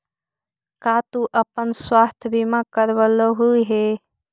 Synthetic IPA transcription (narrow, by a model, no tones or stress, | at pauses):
kat̪uʔəpənswaːst̪ʰəbʱimãkəɾbələɦuiɦe